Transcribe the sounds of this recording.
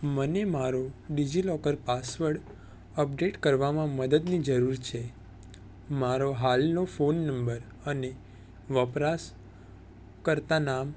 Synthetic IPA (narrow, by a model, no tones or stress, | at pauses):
mənemaɾoɖid͡ʒilɔkəɾpasʋəɾɽ | əp̚ɖeʈkəɾʋamãməd̪əd̪nid͡ʒəɾuɾt͡ʃʰe | maɾoɦalnofonːəmbəɾ | əne | ʋəpɾas | kəɾt̪anam